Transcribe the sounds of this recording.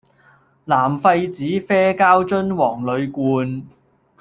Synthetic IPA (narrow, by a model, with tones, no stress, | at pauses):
laː˨˩mfɐ˧jt͡siː˨˥fɛː˥kaː˥wt͡sɵ˥nwɔː˨˩ŋlɵ˨˧ɥkuː˧n